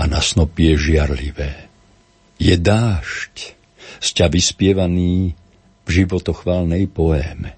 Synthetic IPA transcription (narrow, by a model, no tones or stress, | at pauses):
anasnɔpɪɛʒɪaɾliʋɛː | jɛd̪aːʃc | scaʋispɪɛʋaniː | vʒiʋɔt̪ɔxʋaːlnɛjpɔɛːmɛ